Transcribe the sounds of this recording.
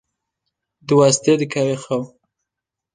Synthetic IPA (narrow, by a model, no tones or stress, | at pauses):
d̪wast̪ed̪əkʰawexaw